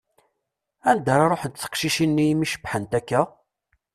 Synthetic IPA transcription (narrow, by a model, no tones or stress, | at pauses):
ænd̪aɾˤɑɾˤoħd̪θə̥qʃiʃinːijmiʃə̥bħənt̪ækːæ